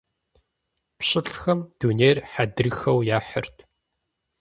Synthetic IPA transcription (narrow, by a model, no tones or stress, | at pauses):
pɕʼɪɬʼxɐmd̥uːneːrħadɨrxɐwjaːħə̰rtʰ